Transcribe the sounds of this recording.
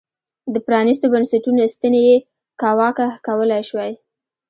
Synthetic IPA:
d̪əpɾɑnis̬t̪obansaʈunost̪əneje | kɑwɑkakawəlajʃwaj

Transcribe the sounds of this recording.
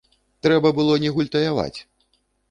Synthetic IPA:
t̪ɾɛbɐbɨlˠɔnʲɛɣulʲt̪ɐjava̰t͡sʲ

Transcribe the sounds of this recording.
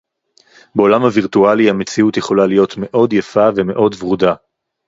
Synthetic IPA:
be̞o̞lamhaviʁtualiamet͡siutjeχo̞lalijo̞tme̞ʔo̞djafave̞me̞ʔo̞dvʁuda

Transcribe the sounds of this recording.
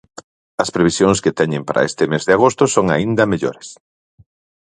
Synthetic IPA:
ɐspɾeβ̞isjoŋsket̪ɛɲɪmpaɾʔɐ̰est̪ɪmezðɪaɣ̞ost̪ʊsoŋa̰ind̪ɐmeʎoɾes

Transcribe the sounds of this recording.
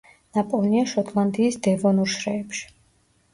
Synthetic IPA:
napʼɔniaʃɔt̪ʼlˠand̪iːsd̪ɛvɔnuɾʃɾɛːpʃi̥

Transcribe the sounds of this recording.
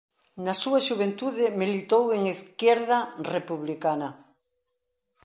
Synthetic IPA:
nasuaʃuβ̞ent̪uðemilit̪oweŋiθkjɛɾðarepuβlikanɐ

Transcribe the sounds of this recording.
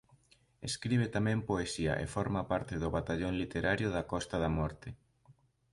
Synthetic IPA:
eskɾiβ̞et̪amɛ̃mpoesiɐ̰ʔḛfɔɾmɐpaɾt̪ɪðʊβat̪aʎoŋlit̪eɾaɾjʊðɐkɔst̪ɐðɐmɔɾt̪e

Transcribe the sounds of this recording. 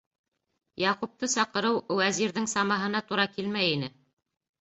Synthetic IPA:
jɑqup̚t̪ɤsɑqɤ̆ɾɤwwæziɾðɘŋsɑmɑɦɤ̆nɑt̪uɾɑkilmæjinɘ

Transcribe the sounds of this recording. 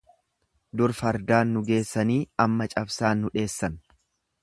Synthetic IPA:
d̪ʊɾfɐɾd̪aːnːʊɡe̞ːsːɐniːɐmːɐt͡ʃʼɐbsaːnːʊᶑe̞ːsːɐn

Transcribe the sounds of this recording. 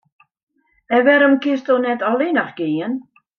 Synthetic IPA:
ɛvɛɾəmkʰɪstɔnɛdɔlˠinaχɡ̥ejən

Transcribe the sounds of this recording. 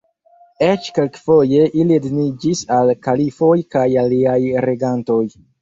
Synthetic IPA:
et͡ʃke̞lkfoje̞ʔiliednid͡ʒisalkalifojkajaliajɾe̞ɡanto̞j

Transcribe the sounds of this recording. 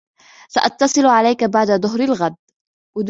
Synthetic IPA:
saʔɑt̪ːɑsˤɨlʕalajkabaʕd̪aðˤʊɦɾɪlɣad̪ | wad̪

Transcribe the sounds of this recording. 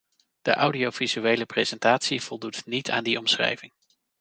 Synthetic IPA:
d̥ə̰ʔawdiowvizyejləprezɛntaːtsiv̥ɔlˠdutnitʰa̰ːndiɔmsχrɛ̰jvɪŋ

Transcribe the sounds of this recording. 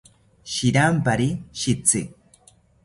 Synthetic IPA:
ʃiɾampaɾiʃit͡sɪ

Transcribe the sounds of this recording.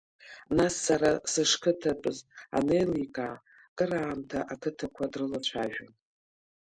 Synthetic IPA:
nasːaɾasɨʂkʰɨtʰapʼɨza̰nejlikʼa | kʼɨɾaːmtʰaʔakʰɨtʰakʷʰadrɨlat͡ʃʷʰaʒᶣan

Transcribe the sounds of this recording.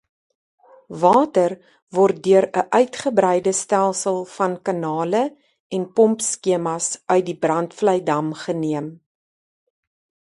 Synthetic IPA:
vɑːtər | vɔrt̚dyəɾəʔœɥtχəbɾɛjdəstælˠsəlˠfɐnkɐnɑːlə | ʔɛnpɔmpskiəmɐsʔœɥt̚dibrɐntfləjdɐmχəniəm

